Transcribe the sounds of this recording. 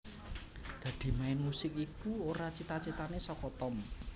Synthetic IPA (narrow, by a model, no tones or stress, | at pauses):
ɡ̥ä̤d̪̥i̤maɪnmusɪk̚ikuoɾat͡ʃit̪at͡ʃit̪anesɔkɔt̪ɔm